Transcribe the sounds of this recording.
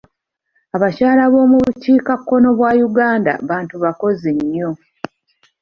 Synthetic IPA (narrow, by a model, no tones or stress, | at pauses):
aβacaːlaβo̞ːmuβuciːkakːo̞no̞βwaːjuɡaːnda̰βaːntuβako̞ziɲːo̞